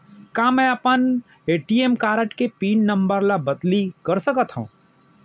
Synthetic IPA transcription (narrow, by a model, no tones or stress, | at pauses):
kamɛ̃əpən | eːʈiemkaːɾəʈkepiːnːəmbəɾlabəd̪likəɾsəkət̪ɦũ